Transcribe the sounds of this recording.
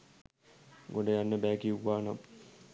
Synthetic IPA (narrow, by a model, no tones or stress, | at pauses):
ɡoɳɖəjanːəbæːɡiuʋaːnam